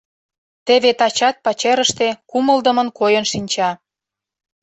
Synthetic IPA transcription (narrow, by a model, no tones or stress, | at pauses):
t̪eβet̪ɑt͡ɕɑt̪̚pɑt͡ɕeɾəʃt̪ekuməld̪ə̆mə̆nkojənʃinʲt͡ɕɑ